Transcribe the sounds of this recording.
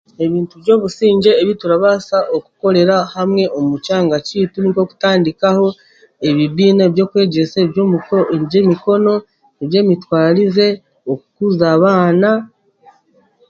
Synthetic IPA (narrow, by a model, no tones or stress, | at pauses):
e̞βiːntuβjo̞ːβusiːɲɟe̞ːβituɾaβasaʔo̞ku̥ko̞ɾe̞ɾahamŋe̞ʔomucaːŋɡaciːtuniko̞ku̥taːndikaho̞ | e̞βiβiːneβjo̞ːkwe̞ːɟe̞seβjo̞ːmuko̞ʔenɟe̞miko̞no̞ | eβje̞ːmitwaːɾize̞ | okukuzaːβaːna